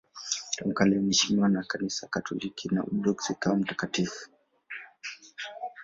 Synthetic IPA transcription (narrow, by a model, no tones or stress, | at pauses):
tam̩kalɛm̩ɛʃimiwanakanisakatʰɔlikʰina̰ʔṵɗɔksikaɔm̩takatifu̥